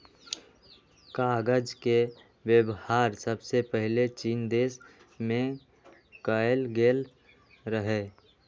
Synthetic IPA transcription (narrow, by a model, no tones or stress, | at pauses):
kaːɡəd͡ʒke | wjəwhaːɾsəbsepəɦɪlet͡ʃiːnd̪eːs | mẽ | kajlɡeːl | ɾəɦeː